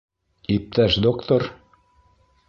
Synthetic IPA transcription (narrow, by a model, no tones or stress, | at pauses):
ip̚t̪æʃd̪okt̪or